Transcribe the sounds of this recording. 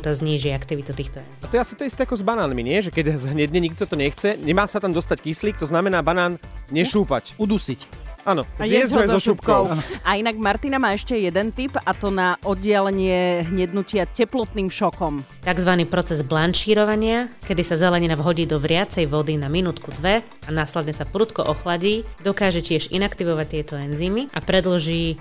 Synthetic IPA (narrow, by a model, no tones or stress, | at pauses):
t̪azɲiːʒiakt̪iʋit̪ut̪iːxt̪ɔɛ̰nat̪ɔjɛasit̪ɔɛist̪ɛakɔzbanaːnmiɲɪɛʒɛkɛɟzɦɲɛd̪ɲɛɲik̚t̪ɔt̪ɔɲɛxt͡sɛɲɛmaːsat̪amd̪ɔst̪ackisliːk̚t̪ɔznamɛnaːbanaːnɲɛʃuːpacud̪usicʔanɔzɛzzɔʃupkɔʊainaɡmaɾt̪inamaːɛʃcɛjɛd̪ɛnt̪ipat̪ɔnaʔɔd̪̚ɟɪalɛɲɪɛɦɲɛd̪nucɪacɛplɔt̪niːmʃɔkɔm | t̪aɡzʋaniːpɾɔt͡sɛzblant͡ʃiːɾɔʋaɲɪakɛd̪isazɛlɛɲinavɦɔɟiːd̪ɔʋɾɪat͡sɛjʋɔd̪inaminuːt̪kud̪ʋɛ | anaːslɛd̪ɲɛsapɾuːt̪kɔʔɔxlaɟiːd̪ɔkaːʒɛcɪɛʒḭnakt̪iʋɔʋac̚t̪ɪɛt̪ɔɛnziːmiʔapɾɛd̪lʒiː